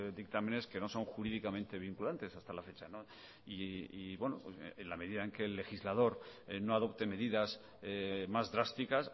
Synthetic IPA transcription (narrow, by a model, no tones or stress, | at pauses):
d̪ik̚t̪amẽ̞ne̞ske̞no̞so̞ŋxuɾiðikamẽnt̪e̞β̞iŋkulant̪e̞sast̪alafe̞t͡ʃano | iiβwe̞nopsenlameðiðaeŋke̞ːlːe̞xizlað̞o̞ɾno̞aðo̞pt̪e̞me̞ðiðas | mazðɾast̪ikas